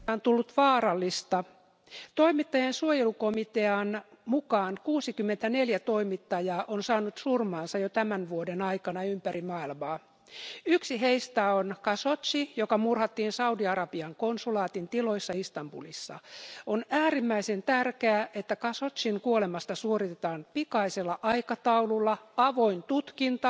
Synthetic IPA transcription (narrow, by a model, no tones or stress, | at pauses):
ont̪ulːut̪ʋɑːɾɑlːist̪ɑ | t̪oimit̪ːɑjɑnsuojelukomit̪eɑnmukɑːnkuːsikymːent̪æneljæt̪oimit̪ːɑjɑːʔonsɑːnut̪surmɑːnsɑjot̪æmænʋuodenɑikɑnɑympærimɑːilmɑː | yksiɦeist̪æonkɑsot̪sijokɑmurhɑt̪ːiːnsɑudiɑɾɑb̥iɑŋkonsulɑːt̪int̪iloisːɑist̪ɑmbṵlisːɑ̰onæːrimːæisent̪ærkeæʔet̪ːækɑsot̪ʲsiŋkuolemɑst̪ɑsuorit̪et̪ɑːnpikɑiselːɑʔɑikɑt̪ɑululːɑɑʋoint̪ut̪kint̪ɑ